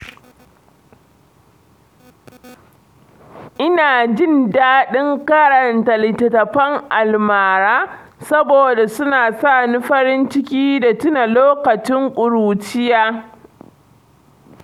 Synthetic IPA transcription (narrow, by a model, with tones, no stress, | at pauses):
ʔɪ˦naː˨d͡ʒɪ˦˨ndaː˦ɗɪ˦ŋka˦ɽɐ˨ntɐ˨lɪ˨tɐ˨tɐ˨ɸɐ˦ŋʔa˨lmaː˨ɾaː˦sɐ˦boː˨da˨sʊ˦naː˨sa˦˨ni˦ɸɐ˦ɾɪ˦nt͡ʃɪ˦kʲiː˦da˨tɪ˦na˨loː˦kɐ˨t͡ʃɪ˦ŋkʷʼʊ˨ɽuː˨t͡ʃɪ˦jaː˦